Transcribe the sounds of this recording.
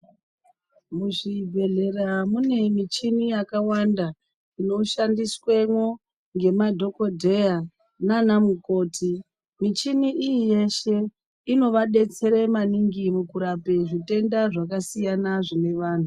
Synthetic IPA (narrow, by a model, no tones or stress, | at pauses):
muʐibʱe̞ɮe̞ramune̞mit͡ʃinijakawanda | ino̞ʃandiswemwo | ŋɡe̞madʱo̞ko̞dʱe̞ja | nanamuko̞ːtʰi | mit͡ʃiniʔijije̞ʃe̞ | ino̞ʋaɗe̞t͡se̞ɾe̞maniŋɡimukuɾapeʐite̞ndaʐakasijanaʐine̞ʋaːn̤u